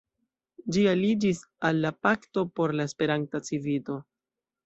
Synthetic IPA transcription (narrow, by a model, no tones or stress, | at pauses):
d͡ʒialid͡ʒis | alːapakto̞po̞ɾlaespe̞ɾantat͡sivilo̞